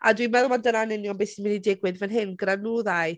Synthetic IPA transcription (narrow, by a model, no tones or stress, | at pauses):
adwimɛðlˠmandənanɛnjɔmbesimɪnidɪɡwɪðvɛnɦɨnɡranuːðaɨ